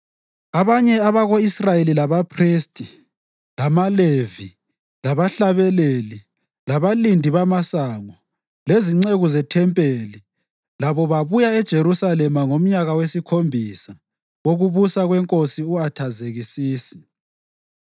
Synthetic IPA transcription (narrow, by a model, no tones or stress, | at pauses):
aβaɲɛaβaɣoisrajelilaβapʰristʼi | lamalevi | laβaɬaβɛleli | laβalindʱiβamasaŋɔ | leziŋ͡ǀeɣuzɛtʰɛmpʼeli | laβɔβaβujaɛd̥ʒ̥ʱeɾusalɛmaŋom̩ɲaɣawesikʰombʱisa | woɣuβusaɣwɛŋkʼosiuatʰazeɣisiːsi̥